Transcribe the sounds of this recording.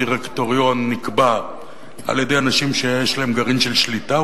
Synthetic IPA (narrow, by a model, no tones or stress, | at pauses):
iʁekt̪oʁijo̞nːikba | a̰ljedejanaʃimʃejeʃlaemɡaʁimʃelʃlita